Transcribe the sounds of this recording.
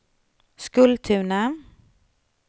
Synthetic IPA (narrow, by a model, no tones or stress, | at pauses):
skɵlt̪ʰʉːɳə